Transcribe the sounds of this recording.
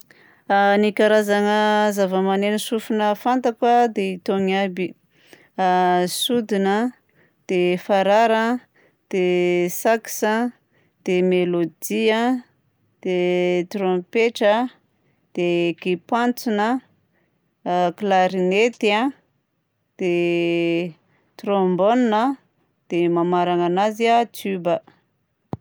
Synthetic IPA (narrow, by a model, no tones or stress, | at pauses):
nikaɾazaŋəzavəmanenəsufunəfant̪akwad̪eit̪oŋabi | sud̪inə | d̪̥efaɾaɾə | d̪̥esaki̥sə | d̪̥emelod̪iə | d̪̥et̪rompeʈ͡ʂə | d̪̥ekipant͡sunə | klaɾinet̪ia | d̪̥e | t̪rombonnə | d̪̥emamaɾaŋanazat̪ybə